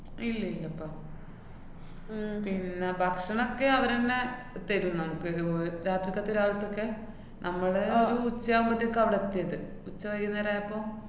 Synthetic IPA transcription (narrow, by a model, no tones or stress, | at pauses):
ilːɐilːɐɐpːoː | pinːebʱɐkʂɐɳokːe̞ɐʋɐɾenːe | t̪eɾunːunɐmukːɨɾaːt̪rikːaːt̪ːeoɾuaːɭɐt̪ːo̞kːe̞ | nʔɐmːɐɭoɾuːt͡ɕːaːumbɐt̪ːijokːɐʋiɽet̪ːijɐðɨ | ut͡ɕːɐʋɐkːunːɐʋɾaːjɐpːo̞ː